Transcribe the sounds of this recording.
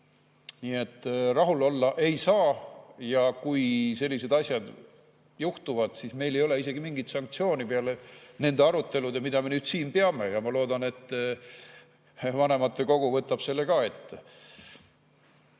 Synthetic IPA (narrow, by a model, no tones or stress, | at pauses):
niːe̞t̪ˑːrɑɦulo̞lːɑʔe̞jsɑːjɑkujse̞lʲːise̞d̪̥ɑsʲjɑd̪̥ | juht̪uvɑd̪̥sisme̞jlejo̞le̞ise̞ɡimiŋɡit̪sɑŋk̚t̪sio̞ːnipeɑlene̞nd̪e̞ɑɾut̪ːe̞lud̪emid̪ɑme̞nyːd̪̥siːnpe̞ɑme̞jɑmɑlo̞ːd̪ɑne̞t̪ː | vɑne̞mɑt̪ːe̞ko̞ɡ̥uvɤt̪ːˑɑb̥se̞lːe̞kɑe̞t̪ːˑ